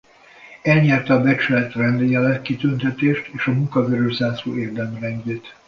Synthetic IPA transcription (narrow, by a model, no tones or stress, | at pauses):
ɛlɲɛrt̪ɛɒbɛt͡ʃylɛt̪rɛnd̪ejɛlɛkkːit̪ynt̪ɛt̪eːʃt̪eːʃɒmuŋkɒɡøɾøʒzaːso̰ːʔeːrd̪ɛmrɛŋɡeːt̪